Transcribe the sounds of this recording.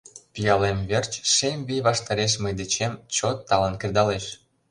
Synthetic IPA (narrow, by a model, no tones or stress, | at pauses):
pijɑlemβert͡ɕʃemβijβɑʃt̪ɑɾeʃ̬məjd̪et͡ɕemt͡ɕot̪ːɑlənkerd̪ɑleʃ